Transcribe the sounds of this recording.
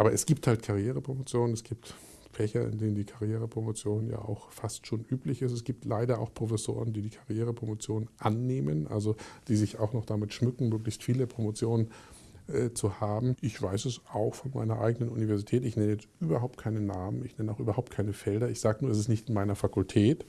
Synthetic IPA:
ʔaːbɐɛsɡ̥iːp̚thaltkʰaʁjeːʁəpʁ̥omot͡sjoːnənɛsɡ̥iːp̚t | fɛçɐʔɪ̰ndeːnəndiːkʰaʁjeːʁ̞əpʁ̥omot͡sjoːnənja̰ːʔa̰ʊxfastʃoːnʔyːplɪçɪstɛs̬ɡ̥iːp̚tlaɪɾɐa̰ʊxpʁ̥ofɛso̰ːʁ̞əndiːdiːkʰaʁjeːʁəpʁ̥omot͡sjoːnənʔanːeːmənʔa̰lzod̥iːzɪçaʊxnɔχd̥amɪtʃmʏkŋ̩møːklɪçstfiːləpʁ̥omot͡sjoːnən | ʔɛt͡suhaːbm̩ʔɪçv̥aɪsɛsaʊxfɔnma̰ɪnɐ̰ʔa̰ɪɡənənʔunivɛɐzitʰɛːtɪçnɛnəjɛt͡stʔyːbɐɦaʊp̚t̚kʰaɪnənaːmənɪçnɛnəaʊxʔyːbɐhaʊp̚tkʰaɪnəfɛldɐɪçz̥aːɡənuɐɛsɪstnɪçtɪnmaɪnɐfakʊltʰɛːt

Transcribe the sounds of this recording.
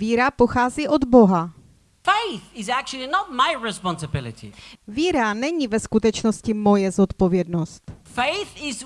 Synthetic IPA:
viːɾapo̞xaːziːʔo̞d̪bo̞ɦa | feɪθɪzæk̚t͡ʃul̩ˠinət̚maɪɹɪspɑ̃nsəbɪlˠɪ̰tʰḭviːɾanɛɲivɛskut̪ɛt͡ʃno̞scɪmo̞jɛzot̪po̞vjɛdno̞st̪feɪθɪz

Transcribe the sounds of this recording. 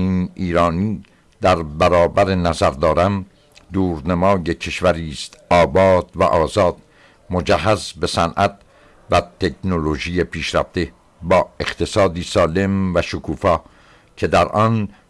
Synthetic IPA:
iːniːɾɒːniː | d̪æɾbæɾɒːbæɾenæzæɾd̪ɒːɾæm | d̪uːɾnemɒːjecʰe̞ʃvæɾiːst̪ʔɒːbɒːd̪̥væ̰ʔɒːzɒːd̪̥̚ | mo̞d͡ʒæhːæzbe̞sænʔæt̪̚ | væt̪ʰe̞knoloʒiːjepʰiːʃɾæ̰ft̪e̞ | bɒːe̞χt̪ʰe̞sɒːd̪iːsɒːle̞mvæʃokʰuːfɒː | cʰe̞d̪æɾʔɒːn

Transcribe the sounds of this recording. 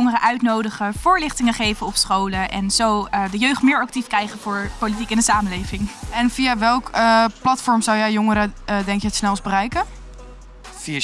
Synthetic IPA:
ŋərəʔœɥtnowdəχəv̥ʊːɹlɪχtɪŋəχejvəɔpsχowləʔɛ̰nzowdəjøɥχtmɪːɹɑk̚tifkrɛjχənvʊːɹpolit̬ikɛndəsaːməlejvɪŋɛnvijaʋɛlˠkəplɑtfɔɹmzɑwjɛjjʊŋəɾədɛŋkjəɦətsnɛlˠzbərɛjkə | via

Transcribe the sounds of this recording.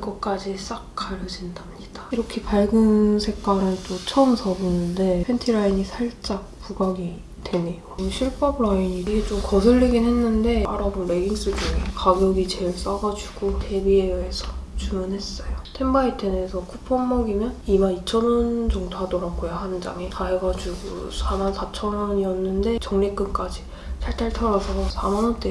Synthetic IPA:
iɡʌk̚k͈ad͡ʑis͈ak̚k͈ʰaɾɯd͡ʑindamɲid̥aiɾʌkʰe̞paɭɡɯnsʰe̞k͈aɾɯnt͈ot͡ɕʰʌɯmsʰʌbunɯnde̞pʰentʰiɾaiɲisʰaɭt͡ɕ͈ak̚puɡaɡi | twe̞ne̞joɕʰiɭp͈ʌbɾaiɲiɾiɡet͡ɕomkʌs̬ʰɯɭːeɡinɦe̞nːɯnde̞aɾabonme̞ɡiŋs͈ɯɡikaɡjʌɡit͡ɕe̞ɭs͈aɡad͡ʑuɡ̥otʰe̞biejʌesʰʌt͡ɕumʌnɦe̞s͈ʌjotʰembait͈ʰensʰʌkʰupʰʌmːʌɡimjʌnimanit͡ɕʰʌnʌnt͡ɕʌŋtʰadoɾaɡojohand͡ʑa̰ŋekaeɡad͡ʑuɡo̰sʰamansʰat͡ɕʰʌnʌɲiʌnːɯnde̞t͡ɕʌŋnek͈ɯmk͈ad͡ʑi | sʰaɭt͈ʰaɭtʰʌɾasʰʌsʰamanʌnt͈e

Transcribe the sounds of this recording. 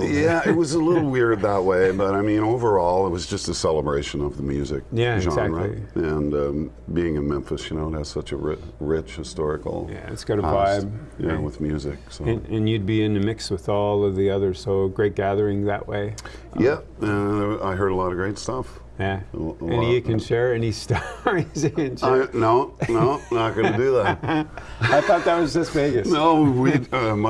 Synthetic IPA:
jæɪt̚wʌzəlɪɾl̩ˠwɪɹd̪̚ðət̚weɪbʌɾaɪmĩnoʊvə˞ɔlˠət̚wʌzd͡ʒʌstɨsɛlˠəbɹeɪʃɨ̃nʌvðəmjʉzɪk̚jæʒɑzæ̃knɹ̚əlḭɨ̃nʌ̃ | biɪ̃ŋɨ̃nmɛ̃ɱfɨsjɨñoʊɾ̚ɨz̥sʌt͡ʃɨ̰ɹɪɹɪt͡ʃhɨstɔɹɨkl̩ˠjæ̰ɨ̰tsɡ̥ʌɾɨvaɪb̚ | wɨðmjʉzɪksoʊɨ̃nɨ̃njɨd̚biɪ̃nɨmɪkswɨðɔlˠʌvðiʌðə˞z̥soʊɡɹeɪt̚ɡ̥æðə˞ɪ̃ŋðɨ̰ʔwḛɪ | jæ | ɨ̃a̰ɪɦɜ˞ɾəlɔɾʌvɡɹeɪtstʌf | jæɛnikɨ̃nʃɛɹɛnistɔɹizɨkɨ̃nʃɛɪnoʊnoʊnət̚ɡ̥ʌnɨdɨðæt̚ | aɪθɔt̪̚ðɨt̚wʌzʌsv̥eɪɡɨsnoʊwim

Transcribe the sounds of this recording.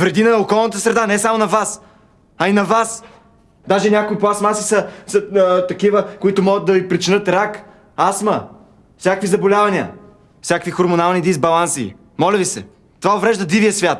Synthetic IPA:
vɾɛd̪inɐokɔlˠnət̪əsɾɛd̪anɛsamonɐvas | ɐinɐvas | d̪aʒɛnʲakʊiplˠasmasisɐsət̪ɐkivəkoit̪ʊmɔɡət̪̚d̪ɐvipɾit͡ʃinɤt̪ɾak | asmə | fsʲjakvizɐbolʲavɐniə̰ | fsʲjakvixoɾmonalˠnid̪izbɐlˠansḭː | mɔlʲəvisɛ̰ | t̪ovaovɾɛʒd̪ɐd̪ivijəsvʲjat̪

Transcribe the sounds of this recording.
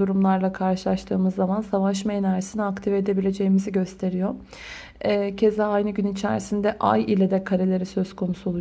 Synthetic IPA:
uɾumlˠaɾlˠakʰaɾʃɯlˠaʃt̪ʰɯːmɯzːamansavaʃ̬mejnaɾesiniakt̪ʰive̞d̪e̞bilʲe̞d͡ʒe̞jimiziɟø̞st̪ʰe̞ɾijo̞ | ɛːcʰe̞zɛajnɯɟynit͡ʃʰæ̰ɾisind̪ɛʔa̰jilʲed̪ɛkʰaɾelʲe̞ɾisø̞zkʰo̞nusuolˠu

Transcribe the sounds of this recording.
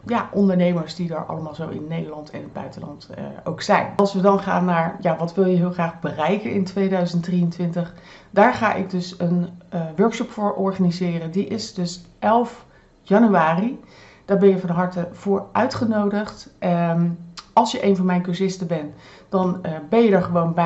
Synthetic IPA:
jaʔɔndəɹnejməɹsdidə̰ɹʔɑ̰ləmaːlˠzowʔɪ̰nːejdəlɑntʰɛ̰nɪdbœ̰ɥtəlɑ̰nto̰wksɛ̰jnɑlˠsʋədɑnχa̰ːnːaːɹjaʋɑtʋɪlˠjəɦɪːlˠχraːχbərɛjkənɪntʋejdœɥzəntdriəntʋɪntəχ | d̥aːɹχa̰ːʔɪ̰ɡ̚dɵsənʋøɹkʃɔpfʊːɹʔɔɹχanizɪːrəndiʔɪsdɵsʔɛlˠf | jɑnyaːri | d̥aːɹbɛnjəfɑnɦɑɹtəv̥ʊːɹʔœɥtχənowdəχtʔ | ɑlˠsjəʔejnvɑnmɛjnkøɹsɪstəbɛnd̥ɑnbɛnjədəɹχəʋownbɛ

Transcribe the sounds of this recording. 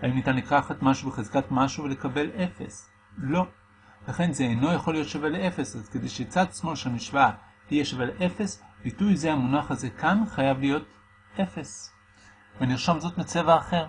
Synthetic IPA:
aimnitanlekaχatmaʃubeχezkatmaʃuvele̞kabe̞lʔe̞fe̞̰s | lo̞ | laχe̞nzeːjno̞jaχo̞lijo̞t̪ʃavelee̞fe̞sazked̪ejʃet͡sad̪smo̞lʃeamiʃvaa | hijeʃavelʔe̞fe̞sb̥itujzehamunaχaze̞kanχajavlijo̞t | ʔe̞fe̞s | veniʁʃomzo̞tmet͡se̞vaːχe̞ʁ̞

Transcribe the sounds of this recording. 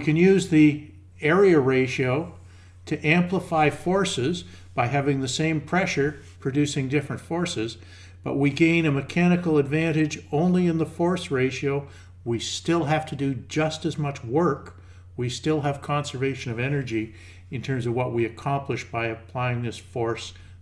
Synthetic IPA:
kɨ̃njʉzði | ɛɹiɨɹeɪʃioʊ | ɾɨʔæ̃mpləfaɪfɔɹsɪz | b̥aɪɦævɪ̃ŋðɨsẽɪ̃mpʰɹ̥ɛʃə˞ | pʰɹ̥ɨdʉsɪ̃ŋdɪfɹɨ̃ntfɔɹsɨz | b̥ʌ̰ʔ̚wiɡẽɪ̃nɨmɨkʰæñɨkl̩ˠədvæ̃nɪd͡ʒõʊ̃nliɨ̃nðəfɔɹsɹeɪʃioʊ | wistɪlˠɦæftʰɨdɨd͡ʒʌstɨzmʌt͡ʃwɜ˞k | wistɪlˠɨv̥kʰɑ̃nsə˞veɪʃɨ̃nʌvɛnə˞d͡ʒi | ɨ̃ntʰɜ̃˞mzʌvwʌʔ̚wiɨkʰɑ̃mplɨʃb̥aɪɨpʰl̥aɪɪ̃ŋðɪsfɔɹs

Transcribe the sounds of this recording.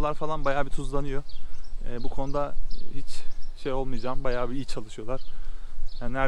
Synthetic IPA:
lˠaɾfalˠanbajaːbit̪ʰuzlˠanɯjoɛːbukʰo̞nud̪ahit͡ʃʃejo̞lˠmɯjd͡ʒaːmbajaːbiit͡ʃʰːalˠɯʃɯjo̞lˠaɾ̥jannæɾ

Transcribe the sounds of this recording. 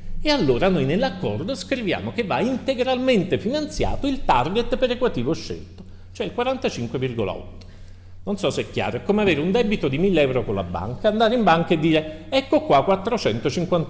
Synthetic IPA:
ealːoːɾanojnelːakːɔrd̪oskɾivja̰ːmok̟evːaint̪eɡɾalment̪efinant̪sja̰ːt̪oilt̪arɡet̪peɾekwat̪iːvoʃːḛlt̪o̥ | t͡ʃoɛilkwaɾant̪at͡ʃiŋkwevirɡo̰la̰ɔ̰t̪ːo̥ | nonsɔseɛkːja̰ːɾoɛkːomeaveːɾeund̪ɛbit̪od̪imilːɛwɾokolːa̰bːa̰ŋkaand̪aːɾeimbaŋkaed̪ːiːɾe | ɛkːokwakːwat̪ːɾot͡ʃɛnt̪ot͡ʃiŋkwan

